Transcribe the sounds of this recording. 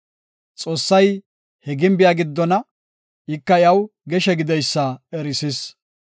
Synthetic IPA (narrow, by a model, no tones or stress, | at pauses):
t͡sʼo̞ːsːɐj | hɛɡɪmbɪjaːɡɪd̪ːɔnɐ | ɪkːɐjɐwɡɛʃɛɡɪd̪ɛjsːɐɛɾɪsɪs